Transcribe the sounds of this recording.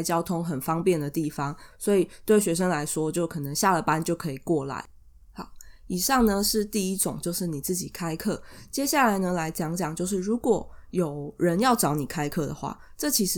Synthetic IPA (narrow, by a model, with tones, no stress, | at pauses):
t͡ɕjɑ˥ʊt̪ʰʊ˥ŋxə˨˩nfɑ˥ŋpjɛ˥˨˩nd̪ə˩t̪i˥˩fɑ˦ŋswɔ˧˥i˨˩t̪we˥˩ɪɕɥɛ˧˥ʂ̬ə˥ŋla˧˦ɪʂwɔ˥t͡ɕjo˥˩ʊkʰɤ˨˩nə˨˦ŋɕja˥˩lə˨˩pa˦nt͡ɕjo˥˩ʊkʰɤ˧˥i˨˩kwɔ˥˩la̰˧˦ɪ | hɑ˨˩˦i˨˩ʂɑ˥˩ŋnə˨ʂɻ̩˥˧t̪i˥˧i˦˥ʈ͡ʂʊ˨˩ŋt͡ɕjo˥˧ʊʂɻ̩˥˩ni˨˩t͡sɹ̩˥˩t͡ɕi˨˩kʰa˥ɪkʰɤ˥˩t͡ɕjɛ˥ɕja˥˩la˧˦ɪnə˧la˧˥ɪt͡ɕjɑ˧˥ŋt͡ɕjɑ˨˩ŋt͡ɕjo˥˧ʊʂ̬ɻ̩˥˩ɻu˧˥kwɔ˨˩jo˨˩ʊɻə˧˦njɑ˥˩ʊʈ͡ʂɑ˧˥ʊni˨˩kʰa˥ɪkʰɤ˥˩d̪ə˩xwa̰˥˩ | ʈ͡ʂɤ˥˩t͡ɕʰi˧˥ʂ